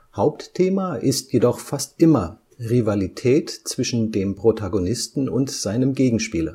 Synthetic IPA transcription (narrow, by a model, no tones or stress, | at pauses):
haʊptʰːeːmaʔɪstʰjedɔχfastʔɪmɐ | ʁivalitʰɛːtt͡sv̥ɪʃn̩deːmpʁ̥otʰaɡonɪstn̩ʊntz̥aɪnəmɡeːɡŋ̩ʃpiːlə